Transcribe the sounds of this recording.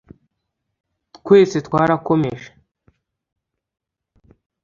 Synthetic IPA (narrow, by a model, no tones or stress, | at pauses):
tkʷwe̞ːset̪kwaːɾakomeʃḁ